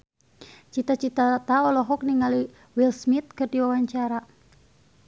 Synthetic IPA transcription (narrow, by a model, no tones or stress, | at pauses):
t͡ʃit̪at͡ʃit̪at̪aɔlɔɦɔk̚niŋali | wilsmit̪̚kɨrdiwawaɲt͡ʃaɾa